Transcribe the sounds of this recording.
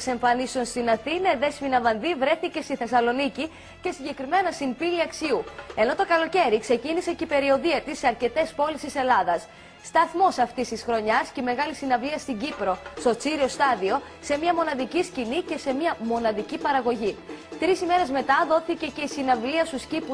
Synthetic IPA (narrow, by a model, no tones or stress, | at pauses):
se̞ɱfɐnisonst̪inɐθinɐðe̞spinɐvɐnðivɾe̞θice̞st̪iθe̞sɐlo̞nici | ce̞siɲɟe̞kɾime̞nɐsimpiiɐksiue̞no̞t̪o̞kɐlo̞ce̞ɾikse̞ciniseceipe̞ɾio̞ðiɐt̪isːeɐɾce̞t̪e̞spo̞list̪ise̞lɐðɐs | st̪ɐθmo̞sɐft̪ist̪isxɾo̞ɲɐsceme̞ɣɐlisinɐvliɐst̪iɲɟipɾo̞st̪o̞t͡siɾio̞st̪ɐðio̞ | se̞mɲɐmo̞nɐðiciscinice̞se̞miɐmo̞nɐðicipɐɾɐɣo̞ʝit̪ɾisime̞ɾe̞zme̞t̪ɐðo̞θice̞ce̞isinɐvliɐst̪uscipu